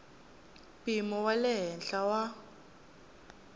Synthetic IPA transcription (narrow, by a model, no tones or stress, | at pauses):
pʼimɔwalɛɦɛnɬawa